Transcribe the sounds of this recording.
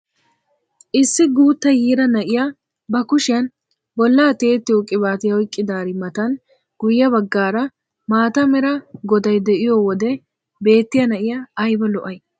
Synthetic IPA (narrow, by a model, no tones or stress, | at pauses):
ʔɪsːɪɡuːt̪ːɐjiːɾɐnɐʔɪja | bɐkʊʃɪjɐn | bɔlːaːt̪eːt̪ːɪjokʼɪbaːt̪ɪjɐɔjkʼːɪd̪aːɾɪmɐt̪ɐn | ɡ̥ʊjːɐbɐɡːaːɾɐ | maːt̪ɐmɛɾɐɡɔd̪ɐjd̪ɛʔɪjowɔd̪ɛ | be̞ːt̪ːɪjɐnɐʔɪjɐːjbɐlɔʔɐj